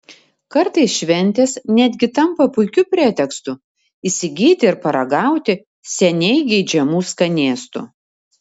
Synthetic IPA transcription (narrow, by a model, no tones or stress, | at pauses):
kɐɾt̪ɐɪsʃʲʋʲɛnʲt̪ʲeːsnʲæd̪ʲɡʲɪt̪ɐmpɐpʊɪkʲʊpʲɾʲeːt̪ʲɛkst̪ʊ | ɪsʲɪɡʲiːt̪ʲɪɪɾpɐɾɐɡɑˑʊt̪ʲɪ | sʲɛnʲɛɪɡʲɛɪd͡ʒʲɛmuːskɐnʲeːst̪ʊ̰